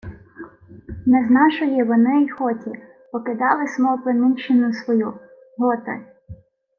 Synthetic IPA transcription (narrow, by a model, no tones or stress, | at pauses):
nɛznɑʃɔjiʋɔnɪixɔtʲi | pɔkɪd̪ɑlˠɪsmɔpɪnɪnt͡ʃɪnʊsʋɔju | ɦɔt̪ɪ̰